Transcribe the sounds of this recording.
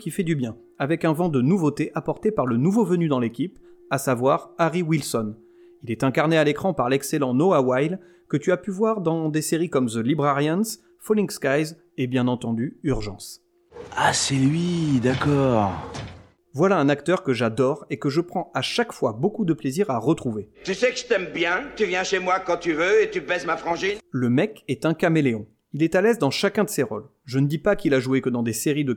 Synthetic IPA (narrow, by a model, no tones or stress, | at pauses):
kʲifɛd̪ybjɛ̃ | avɛkɛ̃vɑ̃d̪ənuvot̪eʔapɔʁt̪epaʁlənuvovənyd̪ɑ̃lekʲipasavwaʁaʁiwilsɔn | ilɛt̪ɛ̃kaʁnealekχɑ̃paʁlɛkselɑ̃noawajl | kət̪yapyvwaʁd̪ɑ̃d̪eseʁikɔmzəlibʁaʁjans | fɔlĩŋɡskajz | ebjɛ̃nɑ̃t̪ɑ̃d̪yyʁʒɑ̃s | asɛlɥid̪akɔʁ | vwalaɛ̃nakt̪œʁkəʒad̪ɔʁekəʒəpχɑ̃aʃakfwabokud̪əpleziʁaʁət̪χuvet̪ysɛkəʒə̥t̪ɛmbjɛ̃t̪yvjɛ̃ʃemwakɑ̃t̪yvøet̪ybɛzmafχɑ̃ʒinləmɛkɛt̪ɛ̃kameleɔ̃ | ilɛt̪alɛzd̪ɑ̃ʃakʲɛ̃d̪əseʁɔl | ʒənəd̪ipakʲilaʒuekəd̪ɑ̃d̪eseʁid̪ə